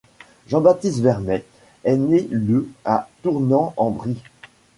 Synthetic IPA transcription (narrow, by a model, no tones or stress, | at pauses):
ʒɑ̃bat̪ist̪vɛʁnɛ | ɛneləat̪uʁnɑ̃ɑ̃bʁi